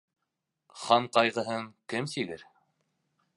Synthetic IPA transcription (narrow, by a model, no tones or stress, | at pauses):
χɑɴqɑjʁɤ̆ɦɤŋkɘmsiɡɘɾ